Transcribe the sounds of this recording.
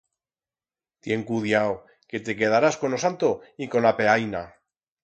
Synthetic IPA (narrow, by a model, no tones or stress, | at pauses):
t̪je̞ŋkuðjaw | ke̞t̪e̞k̬e̞ð̞aɾasko̞nosant̪oiko̞nape̞ajna